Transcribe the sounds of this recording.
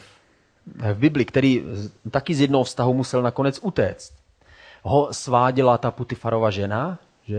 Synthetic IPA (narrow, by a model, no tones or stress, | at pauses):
vbɪblɪkt̪ɛɾiːt̪akɪzjɛdnoɦofst̪aɦumusɛlnakonɛt͡sut̪ɛːt͡st̪ | ɦosvaːɟɪlat̪aput̪ɪfaɾo̞vaʒɛna | ʒɛ